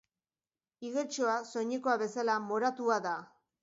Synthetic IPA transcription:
iɣet͡ʃoaso̞ɲiko̞aβe̞salamo̞ɾat̪uaða

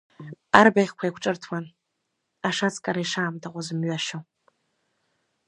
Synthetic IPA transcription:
arbaχʲkʷʰajkʷʰʈ͡ʂʼɨrtʰwan | aʂat͡sʰʼkʼaɾajʂaːmtʰaqʷʼʊzɨmɥaʃow

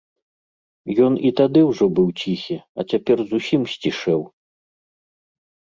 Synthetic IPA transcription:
jɔnit̪ad̪ɨwʐɔbɨwt͡sʲixʲiɐ̰t͡sʲapʲɛrzusʲimsʲt͡sʲiʂɛw

